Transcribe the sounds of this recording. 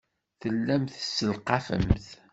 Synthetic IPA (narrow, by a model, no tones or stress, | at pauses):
θəlːæmθəsːəlqɑfə̰mθ